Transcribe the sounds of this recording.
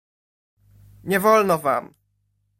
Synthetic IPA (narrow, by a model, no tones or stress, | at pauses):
ɲɛvɔlnɔva̰m